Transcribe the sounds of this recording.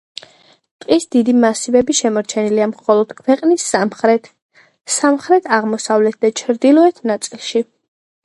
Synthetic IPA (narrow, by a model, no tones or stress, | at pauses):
t̪ʼqʼisd̪id̪imasibɛbiʃɛmɔɾt͡ʃʰɛniliamχɔlˠɔd̪̥kʰwɛqʼnisaχɾɛt̪ | samχɾɛt̪ʰaʁmɔsavlɛt̪̚ʰd̪at͡ʃʰɾd̪ilˠɔɛt̪ʰnat̪sʼilˠʃi